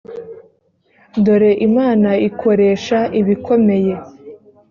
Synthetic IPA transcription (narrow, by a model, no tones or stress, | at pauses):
do̞ɾe̞ʔimaːnaikʰo̞ɾe̞ːʃaʔiβikʰo̞me̞je̞